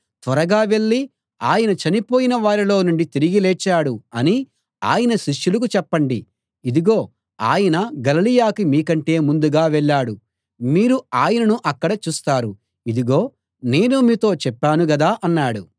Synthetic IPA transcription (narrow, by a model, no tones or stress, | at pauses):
t̪ʋɐɾɐɡaːʋe̞ɭːi | aːjɐnɐt͡ʃɐnipoːjinɐʋaːɾilo̞ːnuɳɖit̪iɾiɡilɛːt͡ʃːaːɽuɐni | a̰ːjɐnɐʃiʂːulɐk̬ut͡ʃɛpːɐɳɖiː | d̪iɡo̞ː | aːjɐnɐɡɐlɐlijaːkimiːkɐɳʈe̞ːmund̪uɡaːʋɛɭːaːɽu | miːɾuaːjɐnɐnuʔɐkːɐɽɐt͡ʃuːst̪aːɾu | id̪iɡo̞ː | ne̞ːnumiːt̪o̞ːt͡ʃɛpːaːnuɡɐd̪aːʔɐnːaːɽu